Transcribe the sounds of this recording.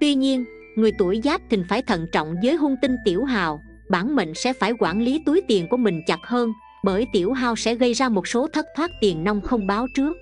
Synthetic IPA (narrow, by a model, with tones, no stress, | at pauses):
t̪wi˧ɲi˧ən | ŋɨ˨˩əjt̪u˧˩əjzaː˦˥p̚t̪ʰï˨˩ŋ̟faː˧˩jt̪ʰə̰˧˨nt͡ɕɔ̰˧˨wŋ͡mzəː˨˦jɦu˧nt̪ï˧ŋ̟t̪i˧˩əwɦa̰ː˨˩w | ɓaː˧˩nmḛ˧˨ŋ̟sɛ̰˧˥faː˧˩jkwaː˧˩nli˨˦t̪u˨˦jt̪i˨˩ənku˧˩əmï˨˩ŋ̟t͡ɕa˨˩t̚həː˧n | ɓəː˧˩jt̪i˧˩əwɦaː˨˩wsɛ̰˧˥ɣə˧jzaː˧mo˨˩t̚so˨˦t̪ʰə˦˥t̚t̪ʰwaː˦˥t̚t̪i˨˩ənna˧wŋ͡mxə˧wŋ͡mɓaː˨˦wt͡ɕɨ˦˥ək̚